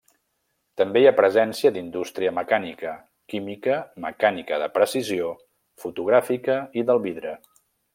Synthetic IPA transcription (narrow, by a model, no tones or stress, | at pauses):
t̪əmbejapɾəzɛnsiəd̪ind̪ust̪ɾiəməkanikə | kimikəmə̰kanikəðəpɾəsizio | fut̪uɣ̞ɾafikəiðəlˠβiðɾə